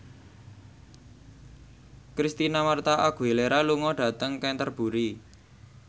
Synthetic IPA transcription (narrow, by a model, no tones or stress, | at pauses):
kɾist̪inamart̪aʔaɡ̥ṳeleɾaluŋɔɖ̥a̤t̪əŋkɛnt̪ərb̥uɾi